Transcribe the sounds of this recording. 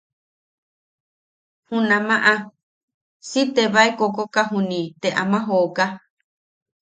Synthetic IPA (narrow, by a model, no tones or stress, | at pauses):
hũnãmãʔã | sit̪eβaekokokaɦũnĩt̪eʔa̰mãɦoːka